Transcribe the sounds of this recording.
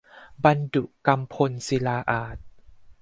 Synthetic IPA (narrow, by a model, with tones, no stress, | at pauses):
ba˧ndu˨˩ʔka˧mpʰo˧nsi˧laː˧ʔaː˨˩t̪̚